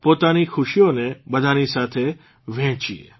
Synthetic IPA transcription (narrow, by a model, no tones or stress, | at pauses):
poːt̪anixʊʃijõneɓɐd̪ʱanisaːt̪ʰe | ʋɛ̃ːt͡ʃiḛ